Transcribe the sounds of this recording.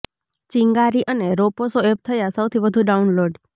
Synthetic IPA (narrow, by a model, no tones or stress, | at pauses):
t͡ʃiŋɡaɾiʔəneɾoposoɛp̚t̪ʰəjasəwt̪ʰibəd̪ʱuɖaunloɖ